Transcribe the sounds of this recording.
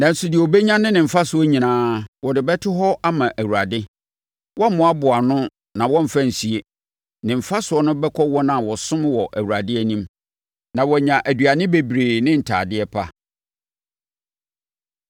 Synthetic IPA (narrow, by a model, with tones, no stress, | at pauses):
nã˨n̩˨sʊ˨dɪ˨o˨be˦ɲã˦nɪ̃˦nɪ̃˨m̩˨fa˦sʊ˨˦ɔ˦ɲĩ˨nãː˦wɔ˨dɪ˨bɛ˦tʰʊ˦ɦɔ˦ʔa˦mã˨ʔæ˨wu˨ɾa˨dɪ˦ | wʔɔ˦m̩˦mʊ̃˨˦a˦bʊ˨a˨nʊ̃˦ | nã˨wɔ̃˦m̩˨fa˦n̩˨si˨e˦ | nɪ̃˨m̩˨fa˦sʊ˨˦ɔ˦nʊ̃˦bɛ˦kʰɔ˦wɔ˦nã˨wɔ˨sʊ̃˦m˦wɔ˨ʔæ˨wu˨ɾa˨dɪ˦æ˨nĩ˦m | nã˨wɔ˨ɲã˨ʔæ˨dɥa˨nɪ̃˦be˨bɾeː˨nɪ̃˦n̩˨tʰa̰ː˨dɪ˦ɛ˦pʰa̰˦